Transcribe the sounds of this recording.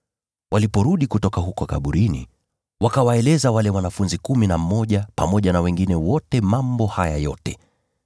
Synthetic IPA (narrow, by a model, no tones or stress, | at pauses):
wʔalipɔɾuɗikutɔkaɦukɔka̰ɓuɾinḭ | wakawaɛlɛzawalɛwanafunzikuminam̩mɔʄapamɔʄanawɛŋɡinɛwɔtɛmambɔhaja̰jɔtɛ